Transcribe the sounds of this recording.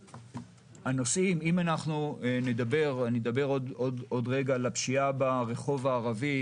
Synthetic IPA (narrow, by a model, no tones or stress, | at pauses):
hano̞simimanaχnuned̪abe̞ʁaned̪abe̞ʁododod̪ʁeɡaːlapʃiabaʁe̞χo̞vaːʁavi